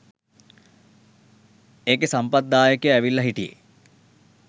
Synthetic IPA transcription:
eːkesɐmpɐd̪ːaːjəkjəɛʋilːɐɦiʈiḛ

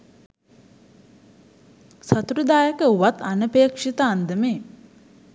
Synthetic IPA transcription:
sat̪uɾəd̪aːjəkəuʋat̪anəpeːkʂit̪aːnd̪əmeː

